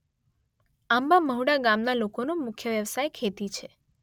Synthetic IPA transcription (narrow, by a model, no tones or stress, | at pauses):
ambaməɦuɽaɡamnalokonomʊkʰjəʋjəʋsajkʰet̪it͡ʃʰe